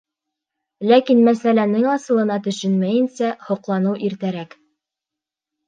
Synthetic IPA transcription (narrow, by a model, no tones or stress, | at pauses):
lækinmæsælænɘŋɑsɤ̆lˠɤ̆nɑt̪ɵ̆ʃɵnmæjɘ̆nsæhŏqlˠɑnɤwʔiɾt̪æɾæk